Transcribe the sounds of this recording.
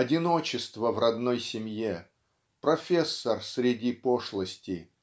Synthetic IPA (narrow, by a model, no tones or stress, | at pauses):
ɐdʲɪno̞t͡ɕɪst̪vəvrɐd̪no̞jsʲɪmʲje | pɾɐfʲesːərsɾʲɪdʲipoʂlˠəsʲtʲɪ